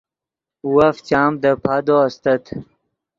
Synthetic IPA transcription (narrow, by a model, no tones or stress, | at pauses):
waft͡ɕaːmd̪əpʰad̪oast̪ət̪